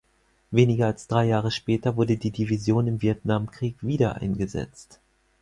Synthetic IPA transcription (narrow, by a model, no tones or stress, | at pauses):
veːnɪɡɐalsd̥ʁaɪjaːʁ̞əʃpɛːtɐvʊɐdədiːdivizjoːnɪmviɛtnamkʁ̥iːkv̥iːdɐʔa̰ɪnɡəzɛ̰t͡st